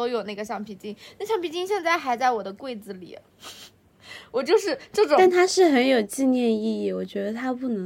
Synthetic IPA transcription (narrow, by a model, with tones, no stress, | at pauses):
o˥ʊjo˨˩ʊna˥˩ɡə˩ɕjɑ˥˩ŋpʰi˨˥˩t͡ɕi˥ŋna˥˩ɕjɑ˥˧ŋpʰi˨˩t͡ɕi˥˧ŋɕjɛ˥˧nt͡sa˥˩ɪxa˧˥ɪt͡sa˥˩ɪwɔ˨˩d̪ə˦kwe˥˩ɪd͡zɹ̩˨˩lḭ˨˩ə̰˦ | wɔ˨˩t͡ɕjo˥˧ʊʂɻ̩˥˩ʈ͡ʂɤ˥˩ʈ͡ʂʊ˨˩t̪a˥˩nt̪ʰa˥ʂɻ̩˥˩xə˧˥njo˨˩ʊt͡ɕi˥˧njɛ˥˧ni˥˧i˥˩wɔ˨˩t͡ɕɥɛ˧˥d̪ə˧t̪ʰa˥pu˥˩nɤ˧˥